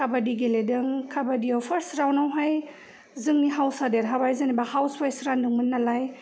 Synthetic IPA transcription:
kʰabadiɡeledɯŋkʰabadiawpʰɐɾsɾawnawɦaj | zɯŋniɦawsadeɾɦabajzanibahawswajsɾandɯŋmɯnːalaj

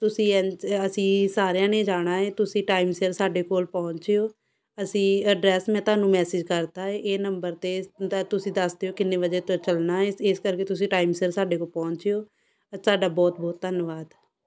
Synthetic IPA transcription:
t̪ʊsĩːɛ̃əsĩːsaːɾjãːnẽːd͡ʒaːɽ̃aːeːt̪ʊsĩːʈaːimseəɾsaːɖeːkoːlpɔːʊɲt͡ʃeːoː | əsĩːəɖɾɛːsmɛ̃ːt̪ʊaːnũːmɛːsɪːd͡ʒkəɾt̪aːeːʔeːnəmbəɾt̪eːt̪ʊsĩːd̪əsd̪eːoːkɪnːeːʋəd͡ʒeːt̪õt͡ʃəlnaːeeːskəɾkeːt̪ʊs̬ĩːʈaːimseəɾsaːɖeːkoːlpɔ̃ːɲt͡ʃeːoː | saːɖaːbɔːt̪̚bɔːt̪̚t̪ːənʋaːd̪

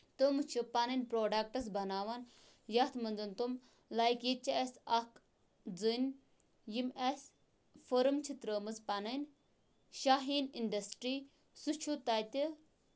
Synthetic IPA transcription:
t̪əmɨt͡ʃʰipanɐnʲpɾoːɖɐk̚ʈɐs̬bɐnaːʋan | jɐt̪ʰmɐnd͡zɐnt̪um | laːjkjit͡ʃʰiɐsʲɐk | d͡zɨnʲ | jimɐsʲ | fəɾɨmt͡ʃʰit̪ɾəːmɨzpanɐnʲ | ʃaɦiːninɖɐsʈɾiː | sut͡ʃʰut̪aːt̪ʲi

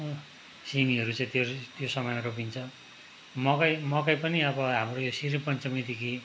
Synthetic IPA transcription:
simiɦʌɾut͡saĩt̪jot̪josʌmʌjʌropint͡sʰʌ | mʌkajmʌkajpʌniʌbʌɦamrojosiɾipʌnt͡sʌmid̪ikʰi

